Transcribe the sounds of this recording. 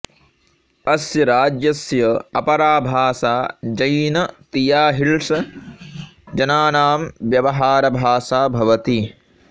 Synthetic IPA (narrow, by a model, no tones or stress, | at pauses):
ɐsjɐɾaːd͡ʒjɐsjɐɐpɐɾaːbʱaːsaːd͡ʒɐjnɐt̪ijaːɦiɭʂɐ | d͡ʒɐnaːnaːmʋjɐʋɐɦaːɾɐbʱaːsaːbʱɐʋɐt̪i